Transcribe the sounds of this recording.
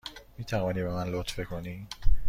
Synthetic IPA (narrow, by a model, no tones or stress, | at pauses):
miːt̪ʰævɒːniːbemænlot̪fekʰoniː